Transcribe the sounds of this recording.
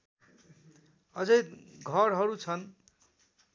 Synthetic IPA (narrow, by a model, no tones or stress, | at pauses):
ʌd͡zʌjɡʱʌɾɦʌɾut͡sʰʌn